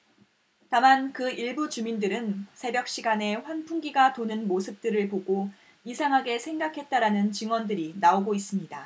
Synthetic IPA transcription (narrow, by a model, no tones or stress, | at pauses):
tamankɯiɭbut͡ɕumindɯɾɯnsʰe̞bjʌk̚ɕ͈iɡane̞ɸwanpʰuŋɡiɡatonɯnmosʰɯp̚t͈ɯɾɯɭpoɡo | isʰaŋɦaɡe̞sʰe̞ŋɡakʰe̞t̚t͈aɾanɯnt͡ɕiŋwʌndɯɾinaoɡois͈ɯmɲida